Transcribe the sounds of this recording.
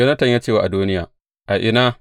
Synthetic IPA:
ɐ˦nɐ˦tɐ˨ɲjaː˦t͡ʃeː˦˨waː˨ʔa˨duː˦nɪ˦jaː˨ | ʔa˨ʔɪ˨na˦

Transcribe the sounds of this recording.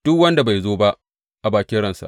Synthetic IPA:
d̥ʊ˦kwɐ˦nda˨ba˨jzoː˦ba˦ʔ | ʔa˨baː˨kʲɪ˦ɽɐ˦˨nsa̰˨ʔ

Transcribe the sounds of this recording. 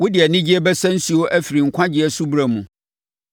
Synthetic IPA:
wʊ˦dɪ˨ɛ˨nɪ̃˦d͡ʑi˦ɛ˦bɛ˦sæ̃˦n̩˦si˦o˦ʔæ˦fi˨ɾi˨ŋ̩˨kʷʰã˦d͡ʑɪ˦ɛ˨su˦bɾa˨mũ˨

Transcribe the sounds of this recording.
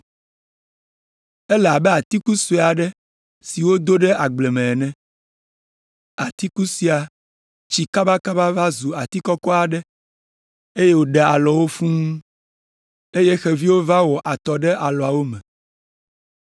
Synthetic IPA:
e˦la˨bɛ˦a˨t̪i˦ku˦se˨a˨ɖɛ˦ | si˨wo˦d̪o˦ɖɛ˦a˨ɡ͡ble˨mɛ̃˨ɛ˨nɛ̃˦ | a˨t̪i˦ku˦si˦a˨ | t͡ɕi˨ka˦ba˦ka˦ba˦va˦zu˨a˨t̪i˦kɔ˦kɔ˦a˨ɖɛ˦ | e˦je˦wo˦ɖɛ˨a˨lɔ˨wo˦fũ˦ŋũ˦ | e˦je˦xɛ˦vi˦wo˦va˦wɔ˨ʔa˨t̪ɔ˨ɖɛ˦ʔa˨lɔ˨a˨wo˦mɛ̃˨

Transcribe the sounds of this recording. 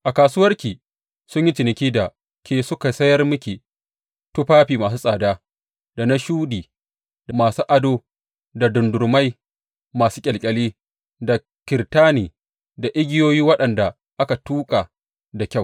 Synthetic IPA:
ʔa˨kaː˨sʊː˦wɐ˦rkʲiː˨ | sʊ˦ɲji˦t͡ʃɪ˨nɪ˨kʲiː˦da˨ | kʲeː˨sʊ˦ka˨sɐ˦jɐ˦rmʊ˦kʲiː˨ | tu˦ɸaː˦ɸiː˨maː˨s̬u˦sʼaː˨daː˦ | da˨na˦ʃuː˦diː˨ | da˨maː˨suː˦ʔa˨doː˦ | da˨dʊ˨ndʊ˨ɾma˦j | maː˨suː˦kʲʼɪ˨lkʲʼɐ˨liː˦ | da˨ | kʲɪ˨ɾtaː˦niː˨ | da˨ʔɪ˦ɡʲɪ˦joː˦jiː˦wɐ˦ɗɐ˨nda˨ | ʔa˦ka˨tuː˦kʼa˨ | da˨kʲa˦˨w

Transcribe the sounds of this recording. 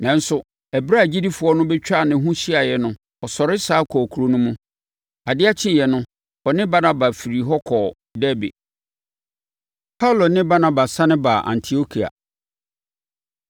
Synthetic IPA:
nã˨n̩˦sʊ˨ | ɛ˨bɾa˦˨d͡ʑi˦di˦fʊ˨˦ɔ˦nʊ̃˦bɛ˦t͡ɕᶣa˦˨nɪ̃˨˦ɦũ˦ɕi˦a˨jɛ˨nʊ̃˦ | ɔ˨sɔ˨ɾɪ˦saː˦kʰɔ˨kʰu˨ɾo˦nũ˦mũ˦ | a˨dɪ˦a˦t͡ɕʰɪ̃˦˨jɛ˨nʊ̃˦ | ɔ˨nɪ̃˦ba˦nã˦ba˨fi˨ɾi˨ɦɔ˦kʰɔ˨ | dɛ˦bḛ˨ | pʰa˦lo˨nɪ̃˦ba˦nã˨ba˨sã˦nɪ̃˦ba˨ʔã̰˨ntʰi˨o˦kʰi˨a̰˨

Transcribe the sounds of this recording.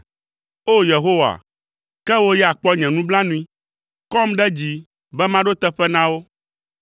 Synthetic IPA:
o˦je˨ɦo˦wa̰˨ | kɛ˦wo˦jɛ˦a˨k͡pɔ˦ɲɛ̃˨nũ˦blã˦nũ˦ĩ˦ | kɔ˦mɖɛ˦d͡ʑi˨ | bɛ˦mã˦ɖo˦t̪ɛ˦ɸɛ˦nã˦wo˦

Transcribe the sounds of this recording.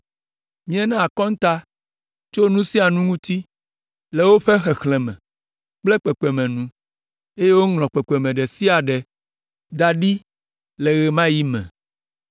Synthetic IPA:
mĩ˦ɛ˦nã˦a˨kɔ̃˦ŋ̩˦t̪a˦ | t͡ʃo˦nũ˦si˦a˨nũ˦ŋũ˦t̪i˦ | le˨wo˦ɸe˦xɛ˨xlɛ̃˨mɛ̰̃˨ | k͡plɛ˦k͡pɛ˨k͡pɛ˨mɛ̃˨nũ˨˦ | e˦je˦wo˦ŋlɔ̃˨k͡pɛ˨k͡pɛ˨mɛ̃˨ɖɛ˨si˦a˨ɖɛ˨ | d̪a˨ɖi˦ | lɛ˨ɣɛ˨mã˦ji˦mɛ̰̃˨

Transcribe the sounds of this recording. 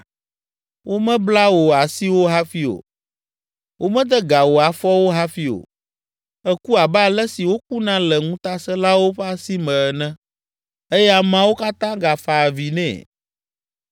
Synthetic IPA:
wʔo˦mɛ̃˦bla˦wo˨a˨si˦wo˦ɦa˦fi˦o̰˨ | wʔo˦mɛ̃˦d̪ɛ˦ɡa˨wo˨a˨fɔ˦wo˦ɦa˦fi˦o̰˨ | ɛ˦ku˦a˨bɛ˦a˨lɛ˦si˨wo˦k̚u˦nã˦lɛ˨ŋũ˦t̪a˦sɛ˦la˦wo˦ɸɛ˦a˦si˦mɛ̃˨nɛ̃˦ | e˦jɛ˦a˨mã˦wo˦ka˦t̪ã˦ɡa˨fa˨vi˨nɛ̰̃˨

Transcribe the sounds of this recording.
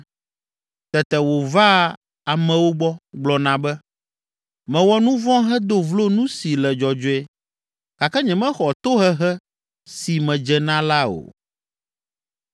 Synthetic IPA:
t̪ɛ˨t̪ɛ˨wo˨va˦ | a˨mɛ̃˨wo˦ɡ͡bɔ˦ɡ͡blɔ˨nã˨bɛ˦ | mɛ̃˨wɔ˦nũ˦vɔ̃˦ɦɛ˦d̪o˦vlo˦nũ˦si˨lɛ˨d͡ʒɔ˨d͡ʒo˨ɛ˨ | ka˨kɛ˦ɲɛ̃˨mɛ̃˦xɔ˨t̪o˦ɦɛ˦ɦɛ˦ | si˨mɛ̃˨d͡ʒɛ˨nã˦la˦o̰˨

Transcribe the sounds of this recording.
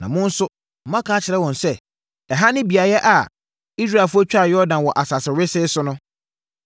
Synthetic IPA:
nã̰˨mʊ̃˦n̩˦sʊ˦ | m̩˨mã˦kʰaː˨˦t͡ɕʰɪ˨ɾɛ˦wɔ̃˨nsɛ˦ | ɛ˨ɦa˦nɪ̃˦bi˨a˨jɛ˦ʔa˨ | i˦s̬ɾa˦˨fʊ˦æ˦t͡ɕᶣa˦˨jɛ˦ɔ˦dã˨n˨wɔ˨ʔa˨sa˨sɪ˨ɾɪ˦sɪ˦sʊ˦nʊ̃˦

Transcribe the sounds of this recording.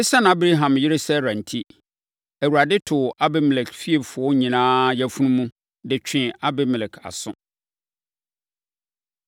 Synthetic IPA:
ɪ˦sã˦n˨a˦bɾa˦ɦã˨mjɪ˦ɾɪ˦sɛ˦ɾã˨n̩˨tʰi˦ | æ˨wu˨a˨dɪ˦tʰʊ˨ʔa˦bɛ˦m˨lɛ˨kfi˦e˨bfʊ˨ɔ˦ɲĩ˨nãː˦jɛ˦fu˦nũ˦mũ˦ | dɪ˨t͡ɕᶣɪ̃˨a˦bɛ˦m˨lɛ˨kʰa̰˨sʊ̃˦

